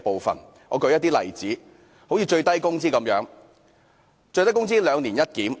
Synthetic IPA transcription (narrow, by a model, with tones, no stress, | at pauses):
po˨˧wfɐ̰˨˩n | ŋɔ̰ː˨˧kɵ˧ɥjɐ˥t̪̚iː˥lɐ̰˨˩jt͡siː˨˥ | ho˨˥wjiː˨˧t͡ʃɵ˧ɥt̪ɐ˥jkʊ˥ŋt͡siː˥kɐ˨˦mjœː˨˧˥ŋ | t͡ʃɵ˧ɥt̪jkʊ˥ŋt͡siː˥lœː˨˧ŋliː˨˩njɐ˥t̚kiː˨˥m